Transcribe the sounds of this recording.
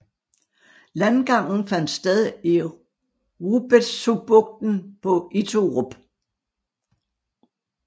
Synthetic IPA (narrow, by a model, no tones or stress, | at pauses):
lænɡ̥ɑ̈ŋ̰n̩fæn̰d̥sd̥eðˠi | ʁub̥esub̥ɔɡ̥̚d̥n̩pʰɒ̽ʔit͡sʰoʁɔb̥